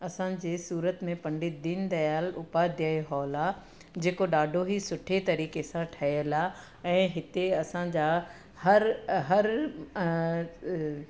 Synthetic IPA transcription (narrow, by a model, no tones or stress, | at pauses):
ɐsãd͡ʑeːsuːɾət̪mẽpɐ̃ɳɖɪd̪ɪnd̪ɐjaːlʊpad̪ijaːeɦɔːla | d͡ʑeːkoɗaːɖʱoɦisʊʈʰet̪ɐɾiːkesãʈʰɐiəla | ɛ̃ːɦɪt̪eɐsãd͡ʑaː | hɐɾɦɐɾ